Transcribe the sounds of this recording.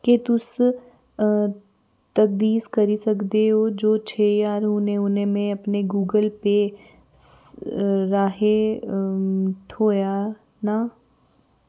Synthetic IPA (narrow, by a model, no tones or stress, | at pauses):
ket̪ʊs | t̪ɐk̚d̪iːskɐɾisɐkd̪eɦoːd͡ʒoːt͡ʃʰeːjaːɾɦoːnẽʊnẽmẽɐpneɡuːɡəlpe | ɾaːɦe | t̪ʰoːja | na